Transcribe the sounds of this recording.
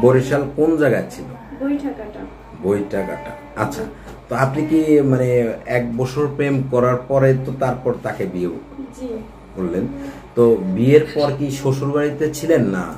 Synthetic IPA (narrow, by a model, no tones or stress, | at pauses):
boɾiʃalkond͡ʑaɡat͡ɕʰilo̰ | bojʈaɡaʈa | bojʈaɡa̰ʈa̰ | a̰tːɕʰa̰ | t̪oapnikimaneɛk̚bɔt͡ɕʰoɾpɾemkɔɾaɾpɔɾet̪ot̪aɾpɔɾt̪akebiebo̰kd͡ʑi | kolːent̪obieɾpɔɾkiʃoʃoɾbaɽit̪et͡ɕʰilenːa̰